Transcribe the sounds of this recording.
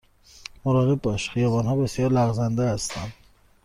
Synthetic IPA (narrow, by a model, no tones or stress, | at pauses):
moɾɒːɣe̞b̚ːɒʃxijɒːbɒːnhɒːbe̞sjɒːɾlæɣzænd̪ehæst̪ænd̪